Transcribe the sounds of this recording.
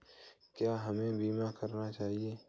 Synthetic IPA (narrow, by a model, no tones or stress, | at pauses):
kjaːɦɐmẽbiːmakɐɾnat͡ʃaːɦieː